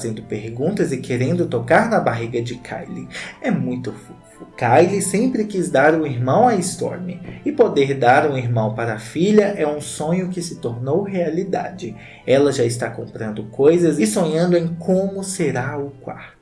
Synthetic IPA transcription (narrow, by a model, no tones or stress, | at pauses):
zẽnd̪ʊpeɾɡũnt̪ɐzɪkʰeɾẽnd̪ʊt̪okaɾnɐbaɦiɡɐd͡ʒɪkʰa̰jlɪɛmũj̃t̪ʊfufʊkajlisẽmpɾɪkizd̪aɾũiɾmɐ̃w̃aist̪ɔ̰ɾmɪɪpod̪eɾd̪aɾũiɾmɐ̃w̃paɾɐːfiʎɐʔɛũsõɲʊkɪsɪt̪oɾnowɦealid̪a̰d͡ʒɪ | ɛlɐʒaɪst̪akõmpɾɐ̃nd̪ʊkojzɐzsõɲɐ̃nd̪ʊẽj̃kʰõmʊseɾaʊkwa̰ɾt̪ʊ